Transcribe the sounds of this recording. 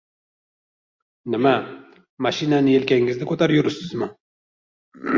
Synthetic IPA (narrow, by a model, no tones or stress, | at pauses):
nɪma | maʃinanɪjelkʲaŋɡɪznɪkʰot̪aɾjuɾʊsɪzma